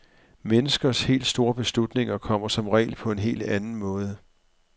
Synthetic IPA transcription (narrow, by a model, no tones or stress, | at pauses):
menəsɡ̥ɐshe̝̰ːld̥sd̥o̝ːɐb̥e̝slud̥ne̝ŋɐkʰɒ̽m̰ɐsɒ̽mʁɛ̰ːɪlpʰɒ̽e̝nɦe̝̰ːld̥ænn̩mɔ̽ːð̞ˠə